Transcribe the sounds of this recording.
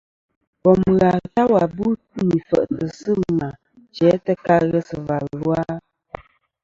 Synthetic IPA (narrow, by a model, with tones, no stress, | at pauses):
bɔ˨m˨ɣa˨ta˦wa˨bu˦tni˨fə̰˨ʔtə˨sə˦ma˨ | t͡ʃɛ˨˦tə˦ka˦ɣɛ˦sə˨va˨lwa˦